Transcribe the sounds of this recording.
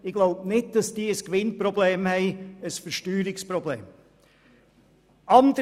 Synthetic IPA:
ɪɡ̥loʊbnɪt̚d̥ɑsd̥iːəskʋɪnprɔbleːmhɛɪəsfəɾʃtyːɾɪkspɾɔblḛːm | ʔɑnd̥ə

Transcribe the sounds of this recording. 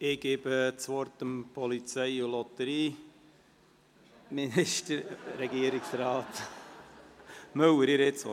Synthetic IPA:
ɪɡ̥eːbət͡sʋɔɾtəmpʰɔlit͡sɛɪʊlɔt̪əɾiː | minɪʃtəɾɾɛɡiəɾɪksɾɑːt̪ | mœwəɾɪɾɪt͡so

